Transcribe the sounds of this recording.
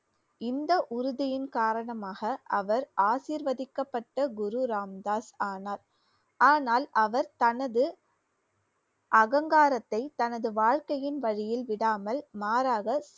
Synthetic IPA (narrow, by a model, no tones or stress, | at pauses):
ɪnd̪ɐʔʊɾʊðɪjɪnkaːɾɐɳɐmaːɣɐʔɐʋɐɾaːsiːɾʋɐðɪkːɐpːɐʈːɐɡʊɾuɾaːmd̪aːsaːnaːɾ | aːnaːlɐʋɐɾt̪ɐnɐðɯ | ʔɐɣɐŋɡaːɾɐt̪ːɐɪt̪ɐnɐðɯʋaːɻkɐjɪnʋɐɻɪjɪlʋɪɽaːmɐlmaːɾaːɣɐs